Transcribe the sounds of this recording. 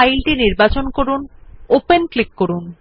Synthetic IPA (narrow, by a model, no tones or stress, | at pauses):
ajlʈiniɾbat͡ɕonkoɾunopenklikːoɾun